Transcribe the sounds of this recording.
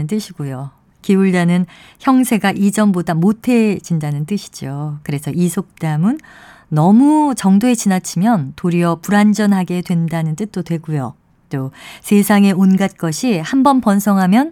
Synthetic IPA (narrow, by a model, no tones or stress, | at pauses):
ɯnt͈ɯɕʰiɡujo | kiuɭdanɯn | çjʌŋsʰe̞ɡaʔid͡ʑʌnbodamotʰe̞d͡ʑindanɯnt͈ɯɕʰi̥d͡ʑokɯɾe̞sʰʌisʰok̚t͈amɯnː | ʌmut͡ɕʌŋdoet͡ɕinat͡ɕʰimjʌntoɾiʌpuɾand͡ʑʌnɦaɡe̞dwe̞ndanɯnt͈ɯt̚t͈otwe̞ɡujo̰ | t͈osʰe̞sʰaŋe̞onɡat̚k͈ʌɕʰihambʌnpʌnsʰʌŋɦamjʌn